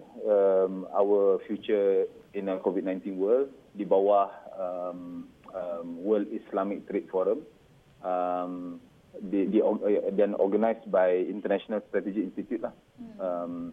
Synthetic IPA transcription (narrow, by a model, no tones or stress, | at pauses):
əma̰wəfjut͡ʃəĩnəkovid̚nãj̃nt̪ĩnwəldibawahəməmwəldislamik̚t̪ɾet̚fɔɾəm | əm | ddidɛ̃nɔ̰ɡanajsbajĩnt̪ənɛʃonalst̪ɾat̪ɛd͡ʒiinst̪it̪jut̚lah | əm